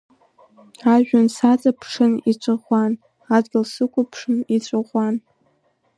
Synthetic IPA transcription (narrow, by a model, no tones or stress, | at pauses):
aʒᶣansat͡sʼapʰʂɨnit͡ʃʷʼaʁʷan | adɡʲɪlsɨkʷʰʼʊpʰʂɨnit͡ɕʷʼaʁʷan